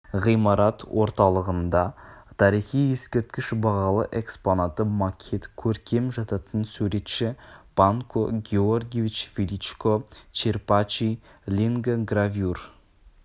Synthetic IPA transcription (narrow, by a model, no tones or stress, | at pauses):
ʁijmɑɾɑt̪wʔo̞ɾt̪ɑlˠəʁənd̪ɑt̪ʰɑɾiχije̞skʲe̞ɾt̪̚kʲɪʃbɑʁɑlˠə̰ʔe̞ksponat̪əmakʲʰet̪kʲʰɵɾkʲʰe̞mʒɑt̪ɑt̪ənsʉɾe̞t̪ʃɪb̥aŋkʰoɡʲeorɡʲevʲit͡ʃfʲilit͡ʃkot͡ʃerpat͡ʃilʲiŋɡɡravʲjur